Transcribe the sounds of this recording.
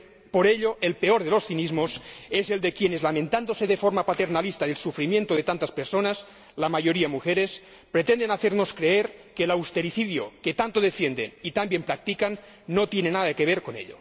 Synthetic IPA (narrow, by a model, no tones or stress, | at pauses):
poɾeʎoʔelpeoɾðelosθinizmosese̞ld̪ekjenezlamẽnt̪and̪oseðefoɾmapat̪e̞ɾnalist̪aðelsufɾimje̞nt̪oðet̪ant̪aspeɾsonas | lamaʝo̞ɾiamuxeɾes | pɾet̪end̪enaθeɾno̞skɾeeɾkelawst̪eɾiθiðjoket̪ant̪oð̞efjend̪enit̪ambjempɾak̚t̪ikanː | ot̪jenenaðaekeβeɾkonḛʎo̰